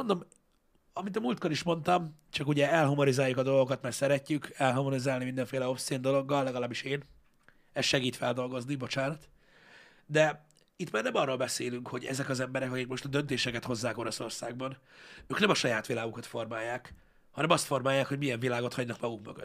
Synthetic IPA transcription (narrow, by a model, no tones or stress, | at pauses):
mond̪o̞m | ɒmit̪ɒmult̪ko̞liʃmo̞nt̪ɒmt͡ʃɒkuɟɛɛlɦumonizaːjːukɒd̪o̞lɡo̞kɒt̪mɛrsɛɾɛcːykɛlɦɒmonizaːlnimind̪ɛɱfeːlɛo̞fseːnd̪o̞lo̞ɡːɒlːɛɡɒlaːbiʃeːn | ɛsʃɛɡiːt̪fɛld̪o̞lɡo̞znibo̞t͡ʃaːnɒt̪ | d̪ɛ | it̪maːrnɛmɒrːoːlbɛseːlyŋkho̞ɟɛ̰zɛkɒzɛmbɛɾɛkɒkikmo̞ʃt̪ɒd̪ønt̪eːʃɛkɛt̪ho̞zːaːko̞ɾoso̞rsaːɡ̚bɒnøːknɛmɒʃɒjaːt̪ʋilaːɡukɒt̪fo̞rmaːjːaːk | hɒnɛmɒst̪fo̞rmaːjːaːkho̞ɟmijɛɱvilaːɡo̞t̪hɒɟnɒkmɒɡukmøɡø̰d̪